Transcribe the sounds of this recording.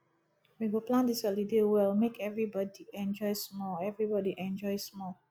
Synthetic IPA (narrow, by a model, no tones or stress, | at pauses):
miɡoplãndisəlidewɛlmekʰɛvɹibɔdiɛ̃nd͡ʒɔjsmɔlɛvɹibɔdiʔɛ̃nd͡ʒɔjsmɔl